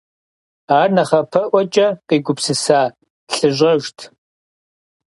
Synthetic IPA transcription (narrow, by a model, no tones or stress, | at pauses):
aːrnɐχɐpʰɐʔʷɔt͡ʃʼɐqiːɡʷʊpsɨsaː | ɬɨʑʷʼɐʒtʰ